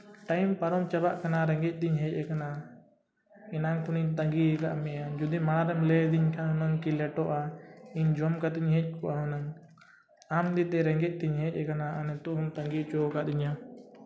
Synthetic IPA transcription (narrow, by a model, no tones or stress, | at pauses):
ʈajmpaɾɔmt͡ʃabaʔkanaɾɛŋɡɛc̚ˀd̪iɲɦɛc̚ˀɛkana | ɛnaŋkʰuniɲt̪aŋɡiɛkaʔmɛjad͡ʒud̪imaɽ̃aɾɛmlɛd̪iɲkʰaunaŋkilɛʈɔʔaiɲd͡ʒɔmkat̪iɲɦɛc̚ˀkɔʔaɔnaŋ | amd̪it̪ɛɾɛŋɡɛc̚ˀd̪iɲɦɛc̚ʲˀɛkanaanɛt̪ɔʔɦumt̪əŋɡit͡ʃɔkad̪iɲa